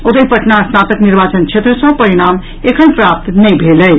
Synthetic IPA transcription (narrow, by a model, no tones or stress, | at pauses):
ot̪əipɐʈnaːsnaːt̪əkniɾbaːt͡ʃənt͡ʃʰet̪ɾəsə̃pɐɾiɽ̃aːm | ekʰənpɾap̚t̪nə̃bʱeləj